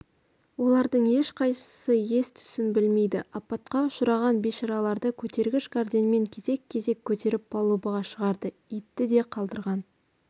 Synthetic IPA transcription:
wo̞lˠɑɾd̪əɴe̞ʃqʰɑjsə̥səje̞st̪ʰʏ̥sɪnbɪlme̞jd̪ɪʔɑpːɑt̪qɑʊʃəɾɑʁɑnbeʃɑɾɑlˠɑɾd̪əkʲʰɵt̪e̞ɾɡʲɪʃɡard̪enme̞ŋkʲʰe̞ze̞kʲʰːe̞ze̞kʲʰːɵt̪e̞ɾɪp̚bɑlˠubəʁɑʃəʁɑɾd̪ə | it̪ːɪd̪e̞qʰɑlˠd̪əɾʁɑn

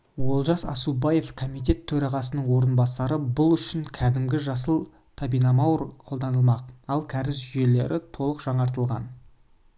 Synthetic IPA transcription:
wo̞lˠʒɑsɑ̰subɑje̞fkʰomijt̪e̞t̪ʰːɵɾɑʁɑsənəɴwo̞ɾənbɑsɑɾəbʊlˠʏʃɪŋkʲʰæd̪ɪmɡʲɪʒɑsəlˠ | t̪ʰɑbijnɑmɑwɾqʰold̪ɑnəlˠmɑqɑlˠkʲʰæɾɪsʒʏje̞le̞ɾʔɪt̪ʰo̞lˠəqʒ̥ɑɴɑɾt̪əlˠʁɑ̰n

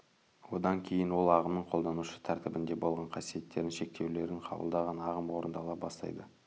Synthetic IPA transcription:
wo̞d̪ɑŋkʲʰe̞jɪnwo̞lˠɑʁəmnəɴqʰo̞lˠd̪ɑnuʃə̥t̪ʰæɾt̪ɪbɪnd̪e̞bo̞lˠʁɑɴqʰɑsije̞t̪ːe̞ɾɪnʃe̞k̚t̪ʰe̞wle̞ɾɪɴqʰɑ̰bə̰lˠd̪ɑʁɑnɑʁəmwo̞ɾənd̪ɑlˠɑbɑst̪ɑ̰jd̪ə

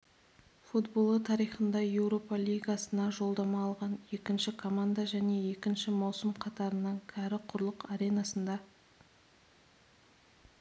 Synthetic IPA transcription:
fut̪bo̞lˠət̪ʰɑɾijχənd̪ɑje̞wɾo̞pɑlʲijɡɑsənɑʒo̞lˠd̪ɑmɑːlˠʁɑne̞kʲɪnʃɪkʰo̞mand̪aʒæne̞e̞kʲɪnʃɪmɑwsəmqʰɑt̪ɑɾənɑɴkʲʰɑɾɪqʰʊɾlˠəqɑɾe̞jnɑsənd̪ɑ

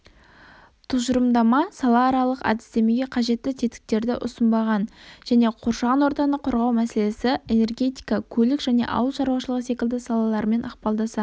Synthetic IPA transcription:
t̪ʰʊzʒʊɾəmd̪ɑmɑsɑlˠɑːɾɑlˠəqɑ̰d̪ɪ̥st̪e̞me̞ɡʲe̞qʰɑʒe̞t̪ːɪt̪ʰet̪ɪ̥k̚t̪e̞ɾd̪ɪʔʊ̰sənbɑʁɑnʒ̥æne̞qʰoɾʃɑʁɑnwoɾt̪ɑnəqʰʊɾʁɑwmæse̞le̞sɪene̞rɡʲe̞t̪i̥jkɑkʲʰɵlɪkʒ̥æne̞̰ʔɑ̰wəlˠʃɑɾwɑʃəlˠəʁəse̞kʲɪld̪ɪsɑlˠɑlˠɑɾme̞nʔɑqpɑlˠd̪ɑsɑ

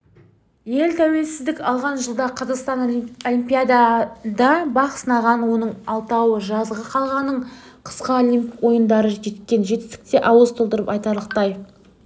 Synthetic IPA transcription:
je̞lt̪ʰæwe̞lsɪzd̪ɪkʲɑlˠʁɑnʒəlˠd̪ɑqʰɑzɑqst̪ɑnolʲimpʲijad̪ɑd̪ɑbɑqsənɑʁɑnwo̞nəɴɑlˠt̪ɑwəʒɑzʁəqʰɑlˠʁɑnːəɴ | qʰə̥sqɑlʲimwo̞jənd̪ɑɾəʒe̞t̪kʲe̞nʒe̞t̪ːɪst̪ɪ̥k̚t̪e̞ʔɑwəzt̪ʰo̞lˠd̪əɾəpɑjt̪ɑɾlˠəqt̪ɑj

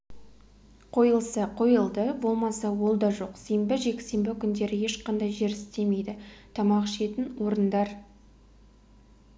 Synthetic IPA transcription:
qʰo̞jəlˠsɑqʰo̞jəlˠd̪əbo̞lˠmɑsɑwo̞lˠd̪ɑʒo̞qse̞mbɪʒe̞kʲse̞mbɪkʲʰʏnd̪e̞ɾɪje̞ʃqɑnd̪ɑjʒe̞ɾɪɪst̪e̞me̞jd̪ɪt̪ʰɑmɑqʃe̞t̪ɪnwo̞ɾənd̪ɑɾ

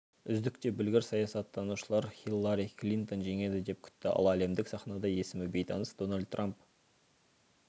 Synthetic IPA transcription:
ʏzd̪ɪk̚t̪e̞bɪlɡʲɪɾsɑjɑsɑt̪ʰːɑnuʃəlˠɑɾxilˠːaɾiklʲint̪o̞nʒe̞ŋe̞d̪ɪd̪e̞p̚kʲʰʏ̥t̪ːɪʔɑ̰lˠɑːle̞md̪ɪksɑχnɑd̪ɑje̞sɪmɪbe̞jt̪ʰɑnəsd̪̥o̞nalʲd̪̚rʔamp

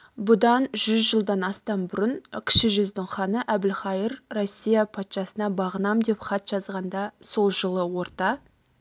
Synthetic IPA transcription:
bʊd̪ɑnʒʏzʒəlˠd̪ɑnɑst̪ɑnbʊɾənkʲʰɪ̥ʃɪʒʏzd̪ɪŋχɑnəʔæbɪlχɑjəɾrosʲːijapʰɑt̪ʃɑsənɑbɑʁənɑmd̪e̞pχɑt̪ʒ̥ɑzʁɑnd̪ɑso̞lˠʒəlˠəwo̞ɾt̪ɑ

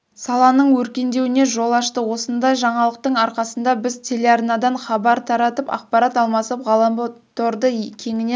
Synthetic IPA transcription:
sɑlˠɑnəɴwɵɾkʲe̞nd̪e̞wɪne̞ʒo̞lˠɑʃt̪əwo̞sənd̪ɑjʒɑɴɑlˠəq̚t̪əɴɑɾqɑsənd̪ɑbɪzt̪ʲʰe̞lʲe̞arnɑd̪ɑɴχɑbɑɾt̪ʰɑɾɑt̪əpɑ̰qpɑɾɑt̪ɑlˠmɑsəpʁɑlˠɑmbət̪ʰoɾd̪əkʲʰe̞ŋɪne

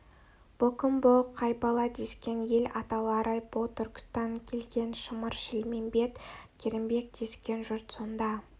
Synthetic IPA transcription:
b̥okəmboqʰːɑjbɑlˠɑd̪e̞skʲe̞nje̞lɑt̪ɑlˠɑɾɑjbot̪ʰʏɾkʲɪ̥st̪ɑŋkʲʰe̞lɡʲe̞nʃəməɾʃɪlmembe̞t̪kʲʰeɾɪmbe̞k̚d̪̥e̞skʲe̞nʒʊɾt̪so̞nd̪ɑ

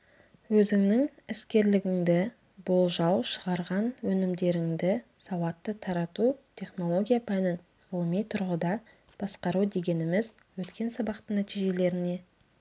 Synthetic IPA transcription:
wɵzɪŋnɪŋɪskʲe̞ɾlɪɡʲɪŋd̪ɪ | bo̞lˠʒɑwʃəʁɑɾʁɑnwɵnɪmd̪e̞ɾɪŋd̪ɪsɑwɑt̪ːət̪ʰɑɾɑt̪ut̪ʲʰe̞χno̞lˠo̞ɡʲijapʰænɪn | ʁəlˠəmijt̪ʰʊɾʁəd̪ɑ | b̥ɑsqɑɾud̪e̞ɡʲe̞nɪmɪz | wɵt̪kʲe̞nsɑbɑqt̪ənæt̪ijʒe̞le̞ɾɪne̞

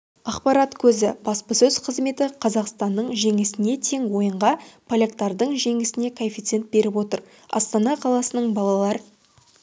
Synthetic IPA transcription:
ɑqpɑɾɑt̪kʲʰɵzɪbɑspəsɵz̥qʰəzme̞t̪ɪqʰɑzɑqst̪ɑnːəɴʒe̞ŋɪsɪne̞t̪ʰe̞ŋwo̞jəɴʁɑpʰolʲekt̪ɑɾd̪əɴʒe̞ŋɪsɪne̞kʰofʲit̪se̞nt̪̚be̞ɾɪpwo̞t̪əɾ | ɑ̰st̪ɑnɑqʰɑlˠɑsənəɴbɑlˠɑlˠɑɾə

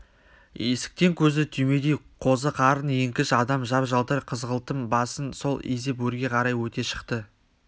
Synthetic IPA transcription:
ḛsɪ̥k̚t̪e̞ŋkʲʰɵzɪt̪ʰyjme̞d̪ejqʰo̞zəqʰɑɾənje̞ŋkʲɪʃɑd̪ɑmʒɑpʒɑlˠt̪əɾqʰəzʁəlˠt̪əmbɑsənso̞lˠezepwɵɾɡʲe̞qʰɑɾɑjwɵt̪e̞ʃə̥qt̪ə

